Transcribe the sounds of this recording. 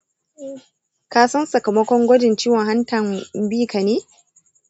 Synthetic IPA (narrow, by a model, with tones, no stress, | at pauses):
kaː˦sɐ˦nsɐ˨kɐ˨mɐ˦kʷɔ˦ŋɡʷɔ˦dɪ˨nt͡ʃiː˦wɔ˨ŋɦa˦ntɐ˨mbiː˦ka˨neː˦